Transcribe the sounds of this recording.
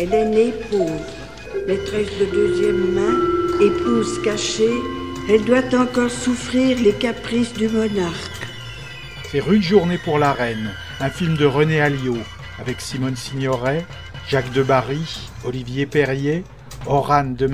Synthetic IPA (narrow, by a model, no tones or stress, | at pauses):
ɛlɛnepoːvʁ | met̪χɛsd̪əd̪øzjɛmːɛ̃epʰuzkaʃeɛld̪wat̪ɑ̃kɔʁsufχiʁlekapχisd̪ymɔnaʁk | sɛʁyd̪ʒuʁnepuʁlaʁɛn | ɛ̃filmd̪əʁənealjo | avɛksimɔnsiɲɔʁɛ | ʒakd̪əbaʁi | ɔlivjepɛʁje | ɔʁand̪əm